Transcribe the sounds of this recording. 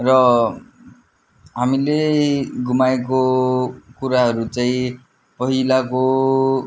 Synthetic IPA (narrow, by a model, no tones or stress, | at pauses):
rʌ | ɦamileɡumaeko | kuɾaɦʌɾut͡saĩ | pʌɦilako